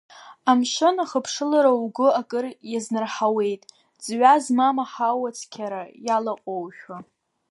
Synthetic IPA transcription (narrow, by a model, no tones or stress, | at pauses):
amʃɨnaχəpʰʂɨlaɾauɡʷʊakʼɨrjaznɨrħawe̞jtʼ | d͡zɥazmamaħawat͡sʰʼkʲʰaɾajalaqʼowʃᶣa